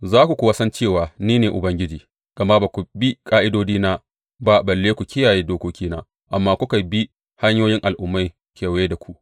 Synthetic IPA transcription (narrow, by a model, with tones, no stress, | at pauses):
zaː˦kʷu˨kʷu˨wɐ˦sɐ˦nt͡ʃeː˦˨waː˨niː˦neː˨ʔʊ˨bɐ˦ŋɡʲɪ˦d͡ʒiː˨ | ɡ̥ɐ˨ma˦ba˨kʷu˨bi˦kʼaː˦ʔɪ˦doː˦d͡ʒiː˦naː˦ | ba˦bɐ˨lːeː˦kʷu˨kʲʰɪ˦jaː˨jeː˦doː˦koː˦kʲiː˦naː˦ | ʔa˨mːaː˦kʷʊ˦ka˨jbi˦ | ha˦ɲjoː˦jɪ˦ŋʔa˨lʔʊ˦mːa˦ | kʲʰeː˨wjeː˦da˨kʷʰu˦ʔ